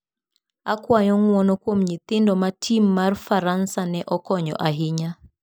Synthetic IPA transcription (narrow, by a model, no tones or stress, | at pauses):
akwaɲɔŋwɔnɔkwomɲɪt̪ɪndɔmatʰimːarfaɾansanɛʔɔkɔɲɔ̰ʔaɦɪɲa